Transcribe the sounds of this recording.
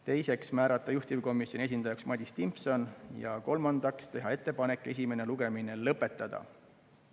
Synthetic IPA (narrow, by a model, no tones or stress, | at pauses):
t̪e̞jse̞ksmæːɾɑt̪ˑːɑjuht̪ivko̞mˑisʲjonies̬ʲind̪ɑjɑksmɑd̪ʲist̪impso̞njɑ̰ko̞lmɑnd̪̥ɑkst̪e̞ɦɑe̞t̪ˑːe̞pɑne̞kːˑe̞s̬ʲime̞neluɡe̞mine̞lɤpːˑe̞t̪ːˑɑd̪̥ɑ̰